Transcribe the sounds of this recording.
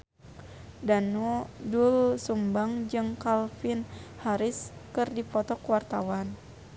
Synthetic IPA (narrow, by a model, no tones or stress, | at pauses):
danudulsumbaŋd͡ʒɨŋkalfinhaɾiskɨrdipɔt̪ɔkwart̪a̰wan